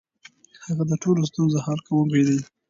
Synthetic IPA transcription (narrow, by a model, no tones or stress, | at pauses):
haɣad̪əʈolos̬t̪unzohalkawəmbed̪i